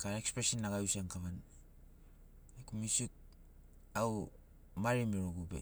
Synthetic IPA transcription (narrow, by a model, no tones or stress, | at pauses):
kaɾaekspɾesinːaɡajuseŋkaβan | ekumisik̚ | aw | maɾimiɾoɡubḛ